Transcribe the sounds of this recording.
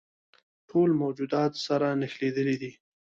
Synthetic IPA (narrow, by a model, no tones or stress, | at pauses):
ʈʰolmawd͡ʒud̪ɑt̪saɾanɪxled̪əlid̪i